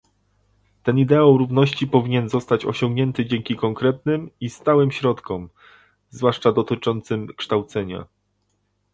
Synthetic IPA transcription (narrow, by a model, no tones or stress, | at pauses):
t̪ɛnid̪ɛawɾuvnɔɕt͡ɕipɔvʲiɲɛnzɔst̪at͡ɕɔ̰ɕɔŋɡɲɛnt̪ɘd͡ʑɛŋkʲikɔŋkɾɛt̪̚nɘmist̪awɘmɕɾɔt̪kɔm | zvwaʂt͡ʂad̪ɔt̪ɘt͡ʂɔnt̪sɘmkʂt̪awt̪sɛɲa̰